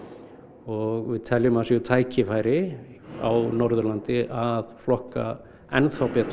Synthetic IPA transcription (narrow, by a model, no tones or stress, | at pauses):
ɔɣvɪðt̪ʰɛljʏmasiʏt̪ʰaːjcʰɪfaːjɾɪ | a̰wnɔɾðʏɾlant̪ɪʔaðflɔhka̰ | ɛnθawpɛat̪ʰ